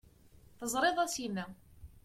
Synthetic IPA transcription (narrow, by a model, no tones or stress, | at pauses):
θəzˤɾˤeðˤæsinæ